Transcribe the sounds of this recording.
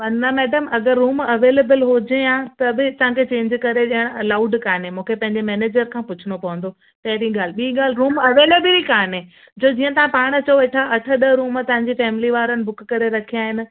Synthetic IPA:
ʋɐnamɛːɖəmɐɡəɾːuːmɐʋeːleːbəlɦod͡ʑejãːt̪ɐbɪt̪ɐʋãkʰet͡ɕẽːɲd͡ʑkɐɾeɗijəɽ̃ɐlaːʊɖkaːnɦemũːkʰepɐ̃ɦɪ̃ɲd͡ʑemɛːneːd͡ʑəɾkʰãːpʊt͡ɕʰʊɽ̃opɐʋə̃nd̪o | t̪ɐɦɪɾiɡaːl̤ɪɓiiɠaːl̤ɪɾuːmɐʋeːleːbɪlikaːnɦẽː | d͡ʑoːd͡ʑiːə̃t̪ɐʋ̤ãpaːɽ̃t͡ɕɐoeːʈʰaʔɐʈʰəɗəɾuːmt̪ɐʋ̤ãɲd͡ʑifɛːmɪliʋaːɾənɪ̆bʊkkɐɾeɾɐkʰijaːɦɪnɪ̆

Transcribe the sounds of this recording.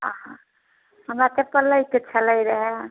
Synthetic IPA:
əɦã | həmɾat̪epələjket͡ʃʰələjɾəɦɛ

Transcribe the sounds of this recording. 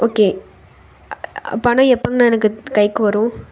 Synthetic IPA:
ʔoːkeː | ɐ̰pːaːnãːɛpːɐŋɡɐñːɛnɐkːɯkɐɪkːɯʋɐɾʊ̃

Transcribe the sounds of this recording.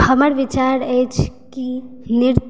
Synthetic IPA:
həməɾʋɪt͡ʃaɾet͡ʃʰkinɪɾ

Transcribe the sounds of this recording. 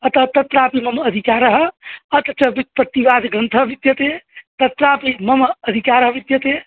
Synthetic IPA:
ət̪ət̪ət̪ɾapimɐməd̪ʱikaɾɦət̪t͡ʃəbipət̪iʋad̪ɡə̃nt̪ʰəbit̪jət̪ẽt̪ɐt̪ɾapimɐməd̪ʱikaɾɦəʋit̪jət̪eẽ

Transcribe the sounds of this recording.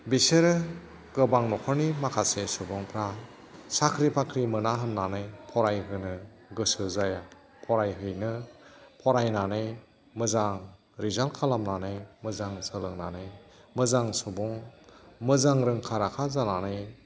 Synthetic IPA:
biseɾɯ | ɡɯbaŋnɔkʰɔɾnimakʰasesubɔŋpʰɾa | sakʰɾipʰakʰɾimɯnaɦɯmnanɯjpʰɔɾajɦɯnɯ | ɡɯsɯzaja | pʰɔɾajɦɯjnɯpʰɔɾajnanɯj | mɯzaŋ | ɾizalkʰalamnanɯjmɯzaŋsɯlɯŋna̰nɯjmɯzaŋsubɔŋmɯzaŋɾɯŋkʰaɾakʰazananɯj

